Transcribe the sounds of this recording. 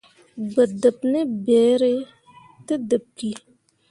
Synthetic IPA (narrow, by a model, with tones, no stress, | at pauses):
bə˨də˨p̚ne˦bɛ˨˦ɾe˦ | tɨ˦dɨ˨p̚ki˨